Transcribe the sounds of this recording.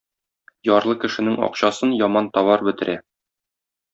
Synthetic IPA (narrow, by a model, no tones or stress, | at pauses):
jɒɾlˠɤkɘ̆ʃɘ̆nɘŋɒ̰qɕɑsɤnjɒmɑnt̪ɒβɑɾbɘ̆t̪ɘ̆ɾæ